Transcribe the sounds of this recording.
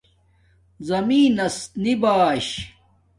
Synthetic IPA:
zɐmiːnɐsnibaːɕ

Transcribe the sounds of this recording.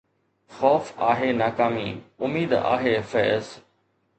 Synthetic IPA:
xɔːfaːɦeːnaːkaːmḭʊmiːd̪a̰ːɦeːfɛːz

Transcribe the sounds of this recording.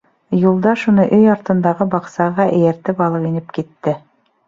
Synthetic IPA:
julˠd̪ɑʃunɤʔɵjɑɾt̪ɤ̆nd̪ɑʁɤbɑqsɑʁɑʔɘ̆jæɾt̪ɘpɑlˠɤqinɘpkit̪ːɘ

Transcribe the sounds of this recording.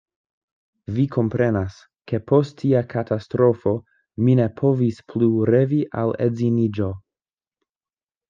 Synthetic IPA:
vikʰo̞mpɾe̞nas | ke̞pʰo̞stʰːiakʰatʰastɾo̞fo̞ | mine̞pʰovispʰluɾe̞viʔa̰lḛzinid͡ʒo̞

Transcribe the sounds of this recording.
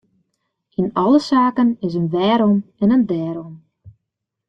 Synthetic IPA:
inɑləsaːkənɪs̬ənʋɛːɾɔmɛnəndɛːɾɔm

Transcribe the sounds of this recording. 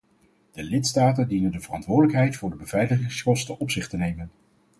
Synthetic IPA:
d̥əlɪtstaːtəndinəndəvərɑ̰ntʋʊːɹdələkɦɛjtfʊːɹdəbəvɛjləχɪŋskɔstənɔpsɪχtənejmən

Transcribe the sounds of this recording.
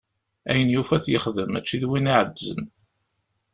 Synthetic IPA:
æ̰jənjufæθjəχðəmæt͡ʃːiðwiniʕəd̪zə̰n

